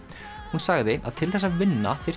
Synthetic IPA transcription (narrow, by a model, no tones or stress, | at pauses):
hunsaːɣðɪa̰ðt̪ʰɪlθɛsːavɪnːa̰θɪɾ̥